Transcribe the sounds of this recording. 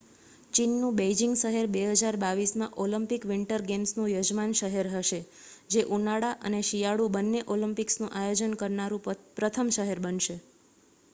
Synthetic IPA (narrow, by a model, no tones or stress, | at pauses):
t͡ʃinːũbed͡ʒiŋɡʃəɦeɾbeɦəd͡ʒaɾbaʋismãʔoləmpikʋɪɳʈəɾɡemsnũjəd͡ʒmanʃəɦeɾɦəʃe | d͡ʒeʔunaɽaʔə̰neʃijaɽubənːeʔoləmpiksnũʔajod͡ʒənkəɾnaɾũpɾət̪ʰəmʃəɦeɾbənʃe